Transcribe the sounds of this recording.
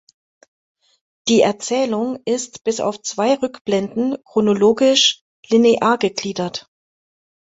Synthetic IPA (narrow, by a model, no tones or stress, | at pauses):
d̥iːɛɐt͡sɛːlʊŋɪstb̥ɪsa̰ʊft͡sv̥aɪʁʏkb̥lɛndn̩kʁ̥onoloːɡɪʃ | lineʔaːɐɡəɡliːdɐt